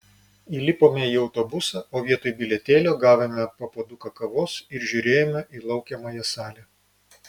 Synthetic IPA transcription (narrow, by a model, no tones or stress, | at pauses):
iːlʲɪpoːmʲɛiːɒʊt̪obʊsɐoːʋʲiɛt̪oːjbʲɪlʲɛt̪ʲeːlʲoːɡɑːʋʲemʲɛpɐpoːd̪ʊkɐkɐʋoːsɪɾʒʲuɾʲeːjɛmʲɛʔiːlˠɒʊkʲɛmoːjɛsɑːlʲɛ